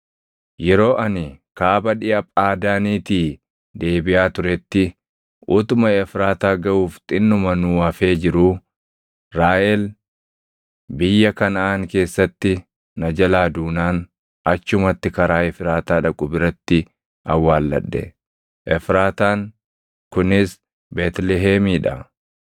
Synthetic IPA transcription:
jɛɾo̞ːʔɐnɪkaːbɐᶑɪʔɐpʼaːd̪aːniːt̪iː | d̪eːbɪʔaːt̪ʊɾɛt̪ːɪ | ʔʊt̪ʊmɐɛfɾaːt̪aːɡɐʔuːft̪ʼɪnːʊmɐnʊwɐfe̞ːd͡ʒɪɾʊ | ɾaːʔɛl | bɪjːɐkɐnɐaːŋke̞ːsːɐt̪ːɪ | nɐd͡ʒɐlaːd̪uːnaːn | ɐt͡ʃːʊmɐt̪ːɪkɐɾaːɛfɪɾaːt̪aːᶑɐkʼʊbɪɾɐt̪ːɪ | ɐwːaːlːɐ̰ᶑːɛ̰ | ʔɛfɾaːt̪aːŋ | kʊnɪs | beːt̪lɛɦeːmiːᶑɐ

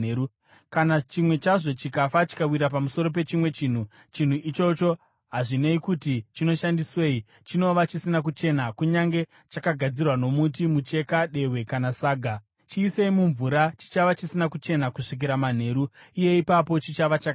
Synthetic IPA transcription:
u | kanat͡ʃimwe̞t͡ʃaʐo̞t͡ʃikafat͡ʃi̥kawiɾap̬amuso̞ɾo̞p̬e̞t͡ʃimwe̞t͡ʃiːn̤u | t͡ʃin̤uʔit͡ʃo̞t͡ʃo̞ | ɦaʐine̞ikutit͡ʃino̞ʃandiswe̞ːi | t͡ʃino̞ʋat͡ʃisinak̬ut͡ʃe̞nakuɲaŋɡe̞ | t͡ʃakaɡʱad͡zirwano̞mutimut͡ʃe̞kaɗe̞we̞kanasaːɡʱa | t͡ʃiːse̞imuɱvuɾat͡ʃi̥t͡ʃaʋat͡ʃisinakut͡ʃe̞nakuʂik̬iɾaman̤e̞ːɾuije̞ipapo̞t͡ʃit͡ʃaʋat͡ʃa

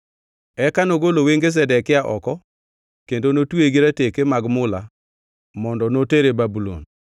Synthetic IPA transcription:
ɛkanoɡoloweŋɡes̬ɛdɛkɪaʔɔkɔ | kendonotweɡiɾatekemaɡmʊla | mɔndɔnoteɾebabulo̰n

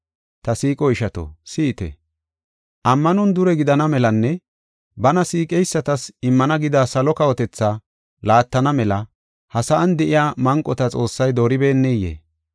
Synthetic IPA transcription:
t̪ɐsiːkʼɔɪʃɐt̪o̰siːt̪ɛ̰ | ʔɐmːɐnʊnd̪ʊɾɛɡɪd̪ɐnɐmɛlɐnːɛ | bɐnɐsiːkʼɛjsːɐt̪ɐsɪmːɐnɐɡɪd̪aːsɐlɔkɐwɔt̪ɛt͡sːa | laːt̪ːɐnɐmɛlɐ | hɐsɐʔːnd̪ɛʔɪjaːmɐŋkʼːɔt̪ɐt͡sʼo̞ːsːɐjd̪oːɾɪbe̞ːnːɛjḛː

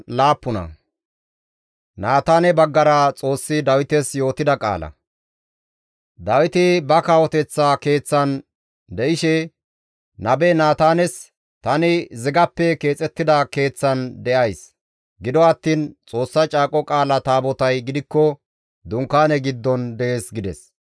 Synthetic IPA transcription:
laːpːʊnɐ̰ | naːt̪aːnɛbɐɡːɐɾɐt͡sʼo̞ːsːɪd̪ɐwɪt̪ɛsjo̞ːt̪ɪd̪ɐkʼa̰ːlɐ̰ | d̪ɐwɪt̪ɪbɐkawɔt̪ɛt͡sːake̞ːt͡sːɐn | d̪ɛʔɪʃɛ | nɐbɛnaːt̪aːnɛs | t̪ɐnɪzɪɡɐpːɛke̞ːt͡sʼɛt̪ːɪd̪ɐke̞ːt͡sːɐnd̪ɛʔɐjs | ɡɪd̪ɔɐt̪ːiːnt͡sʼo̞ːsːɐt͡ʃʼaːkʼɔkʼaːlɐt̪aːbɔt̪ɐjɡɪd̪ɪkːɔ | d̪ʊŋkːaːnɛɡɪd̪ːɔnd̪ɛeːsɡɪd̪ɛs

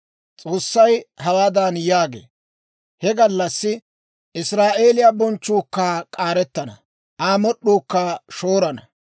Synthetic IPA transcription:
t͡sʼo̞ːsːɐjɦɐwaːd̪aːnjaːɡḛː | hɛɡɐlːɐsːɪ | ʔɪsɾaːʔe̞ːlɪjabɔnt͡ʃːuːkːaːkʼaːɾɛt̪ːɐnɐ̰ | ʔaːmɔɗːuːkːaːʃoːɾɐnɐ

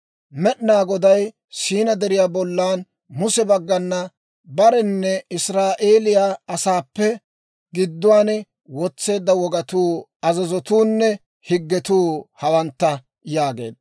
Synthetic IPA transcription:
mɛɗnaːɡɔd̪ɐj | siːnɐd̪ɛɾɪjaːbɔlːaːn | mʊsɛbɐɡːɐnːɐ | bɐɾɛnːɛɪsɾaːʔe̞ːlɪjaɐsaːpːɛ | ɡɪd̪ːʊwaːn | wɔt͡sːe̞ːd̪ːɐwɔɡɐt̪uːɐzɐzɔt̪uːnːɛ | hɪɡːɛt̪uːhɐwɐnt̪ːɐ | jaːɡe̞̰ːd̪

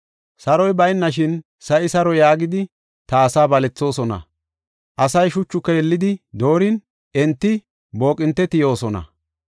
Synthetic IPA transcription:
sɐɾɔjbɐjnːɐʃ̬ɪn | sɐʔɪsɐɾɔjaːɡɪd̪ɪ | t̪ɐːsaːbɐlɛt͡sːo̞ːsɔnɐ̰ | ʔɐsɐjʃʊt͡ʃːʊkːɛjɛlːɪd̪ɪd̪o̞ːɾɪn | ʔɛnt̪ːɪ | bo̞ːkʼɪnt̪ːɛt̪ɪjo̞ːsɔnɐ̰

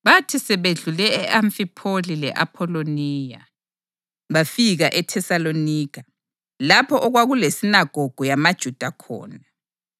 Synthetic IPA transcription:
βatʰisɛβeɮulɛɛʔaɱfipʰolilɛ̰ʔa̰pʰɔloniːja̰ | βafiɣaʔɛtʰɛsaloniːkʰa | lapʰɔʔɔɣwaɣulesinaɡ̥ʱɔɡ̥ʱɔjamad̥ʒ̥ʱud̥ʱakʰɔ̰ːna

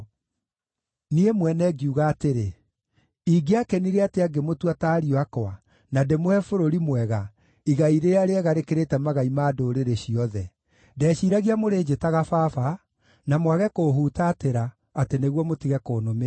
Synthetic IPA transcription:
niemwɛnɛɡiuɣaːteɾe | iɡeakɛniɾeateaɡemotwataːɾiɔakɔa | nademoɛfoɾoɾimwɛɣa | iɣaiɾeɾaɾeɛɣaɾekeɾetɛmaɣaimaːdoːɾeɾeɕiɔðɛ | dɛːɕiːɾaɣiamoɾeːd͡ʒetaɣafafa | namwaɣɛkoːɦuːtaːteɾaː | teneɣwɔmotiɣɛkoːnomea

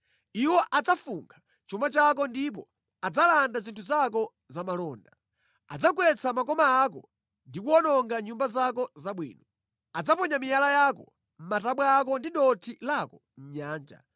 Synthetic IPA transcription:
iwɔʔad͡zafuŋɡʰa | t͡ʃumat͡ʃak̬ɔndip̬ɔ | ad͡zalandazintʰuzak̬ɔ | zamalɔːnda | a̰d͡zakwɛt͡samakɔmaak̬ɔ̰ | ndikuɔnɔŋɡaɲumbazakɔzaɓwḭːnɔ | ad͡zapɔɲamijalajakɔ | m̩mataɓwaːk̬ɔndiɗɔtʰilakɔ | m̩ɲaːnd͡ʒa̰

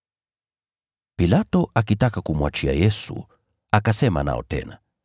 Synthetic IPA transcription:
pilatɔʔakitakakumwat͡ʃia̰jɛsṵ | akasɛma̰na̰ɔ̰tɛ̰na

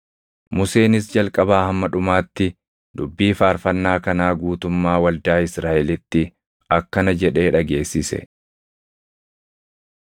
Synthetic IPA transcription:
mʊse̞ːnɪsd͡ʒɐlkʼɐbaːhɐmːɐᶑʊmaːt̪ːɪ | d̪̥ʊbːiːfaːɾfɐnːaːkɐnaːɡuːt̪ʊmːaːwɐld̪aːɪsɾaːʔɛlɪt̪ːɪ | ɐkːɐnɐd͡ʒɛᶑe̞ːᶑɐɡe̞ːsːɪsɛ̰

